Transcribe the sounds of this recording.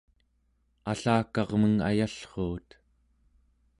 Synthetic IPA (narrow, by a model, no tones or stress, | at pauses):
aɬaːkɑʁməŋa̰jaɬχoːt̪